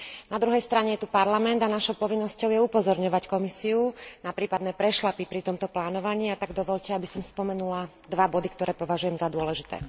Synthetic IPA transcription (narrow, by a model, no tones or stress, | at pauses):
nad̪ɾuɦɛjst̪ɾaɲɛjɛt̪upaɾlamɛnd̪anaʃɔʊpɔʋinːɔscɔʊjɛupɔzɔɾɲɔʋackɔmisiunapɾiːpad̪nɛːpɾɛʃlapipɾit̪ɔmt̪ɔplaːnɔʋaɲiːat̪aɡd̪ɔʋɔʎcɛabisɔmspɔmɛnula | d̪ʋabɔd̪ikt̪ɔɾɛːpɔʋaʒujɛmzad̪ʊɔlɛʒit̪ɛ̰ː